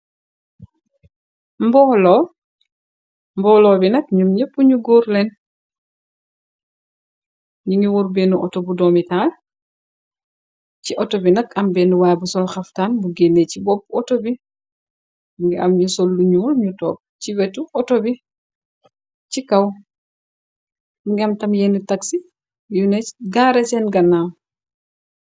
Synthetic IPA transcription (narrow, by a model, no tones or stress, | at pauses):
mbɔlɔ | mbɔlɔːbinɐk̚ɲumɲepːuɲuɡɔːɾlɛn | ɲuŋɡiwɔɾbenuʔɔtɔbudɔmitaːl | ciʔɔtɔbinɐkɐmbɛnuwaːjbusɔlxɐftanbuɡenːecibɔpːɔtobi | muŋɡɛʔamɲusɔlːuɲuːlɲutɔːp̚ | t͡ʃiwɛtuʔɔtɔbi | t͡ʃikaw | muŋɡamtɐmjenutaksi | junɛɡaːɾɛt͡ʃɛnɡɐnːaːm